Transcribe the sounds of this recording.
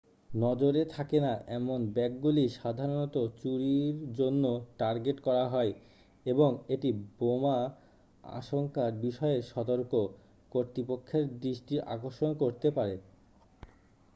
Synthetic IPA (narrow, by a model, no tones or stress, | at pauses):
nɔd͡ʑoɾet̪ʰakenaʔɛmonbɛk̚ɡuliʃad̪ʱaɾonɔt̪ot͡ɕuɾiɾd͡ʑonːoʈaɾɡeʈkɔɾaɦɔe | eboŋeʈiboma | a̰ʃoŋkaɾbiʃɔeʃɔt̪oɾko | koɾt̪ɾipokʰːeɾd̪ɾiʃʈiʔa̰koɾʃonkoɾt̪epaɾe